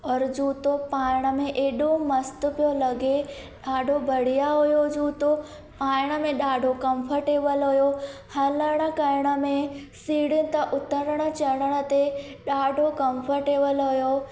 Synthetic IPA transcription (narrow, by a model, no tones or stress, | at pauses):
ɔːɾd͡ʑuːt̪opaːɪɽ̃ə̆mẽʔeːɗũmɐst̪ʊ̆pijolɐɡe | ɗaːɖʱobʱɐɽ̤ijaɦujod͡ʑuːt̪o | paːɪɽ̃ə̆mẽɗaːɖʱokɐ̃mfʰəɾʈeːʋəlɦujo | hɐləɽ̃ə̆kɐɾɪɽ̃ə̆mẽsiːɽənɪ̆t̪ɐʔʊt̪əɾəɽ̃ə̆t͡ɕɐɽ̃əɽ̃ə̆t̪eɗaːɖʱokɐ̃mfʰəɾʈeːʋəlɦʊjo